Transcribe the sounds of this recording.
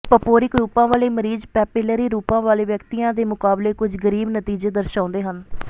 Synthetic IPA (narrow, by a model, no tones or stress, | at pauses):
pəpoːɾɪkɾuːpãːʋaːleːməɾiːzpɛːpɪləɾiːɾuːpãːʋaːleːʋjəkt̪iːãːd̪eːmʊkaːbleːkʊd͡ʒɡəɾiːbnət̪iːd͡ʒeːd̪əɾʃãːnd̪eːɦən